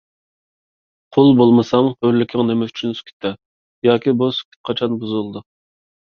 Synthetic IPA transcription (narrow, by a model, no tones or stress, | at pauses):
qʰʊlˠbolˠmɨsɑmhølːɪkʲʰɪŋnemɛy̥t͡ʃʰynskʲʰɪ̥t̪ʰːɛ | jɑːkʲibuskʲʰi̥t̪̚qʰɑt͡ʃʰɑnbuzulˠd̪u